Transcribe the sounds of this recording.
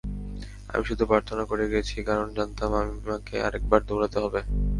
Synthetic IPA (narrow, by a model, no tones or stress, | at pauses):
a̰miʃud̪ʱupɾaɾt̪ʰonakoɾeɡiet͡ɕʰikaɾond͡ʑant̪amamimakea̰ɾek̚baɾd̪oɽat̪eɦɔbe